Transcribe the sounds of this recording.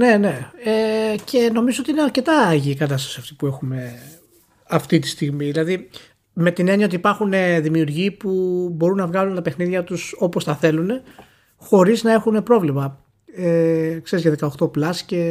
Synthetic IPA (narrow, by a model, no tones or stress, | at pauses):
ne̞ne̞ecʰe̞no̞mizoot̪iineɐɾce̞t̪ɐːʝiːkɐt̪ɐst̪ɐ̥siɐft̪i̥pue̞xume̞ | ɐft̪it̪i̥st̪iɣmiðilɐði | me̞t̪ine̞niɐo̞t̪ipɐɾxune̞ðimiuɾʝiːpubo̞ɾunːɐvɣɐlunt̪ɐpe̞xniðʝɐt̪uso̞po̞st̪ɐθe̞lune̞ | xo̞ɾiznɐe̞xune̞pɾo̞vlimɐ | ekse̞ɾizʝɐðe̞kɐoxt̪o̞plɐsce̞